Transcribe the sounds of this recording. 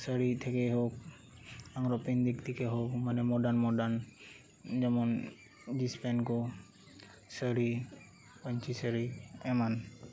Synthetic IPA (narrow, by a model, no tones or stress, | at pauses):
səɾit̪ʰekeɦok̚ | aŋɾɔpind̪ikt̪ʰikeɦokmanɛmɔdanmɔdan | d͡ʒɛmɔn | d͡ʒispɛnkɔ | səɽi | pɔɲt͡ʃʰisəɾiɛman